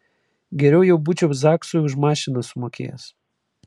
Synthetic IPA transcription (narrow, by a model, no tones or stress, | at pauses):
ɡʲɛɾʲɛʊjɛʊbʊt͡ʃʲɛzɑːksoʊʒmɑːʃʲɪnɐsʊmoːkʲḛːjɛ̰s